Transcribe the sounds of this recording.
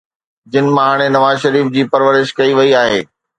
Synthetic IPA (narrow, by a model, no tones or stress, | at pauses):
d͡ʑɪnɪ̆mɐɦaːɽ̃enɐʋaːzʃɐɾiːfd͡ʑiːpɐɾʋəɾɪʃkɐiʋɐiaːɦeː